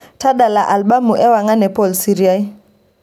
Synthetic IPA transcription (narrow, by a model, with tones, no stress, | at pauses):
tʰa˦ɗa˨la˨ʔa˨lɓa˦mu˨ʔɛ˦wa˨ŋa˦nɛ˨pɔ˨lsi˨ɾia˦i˦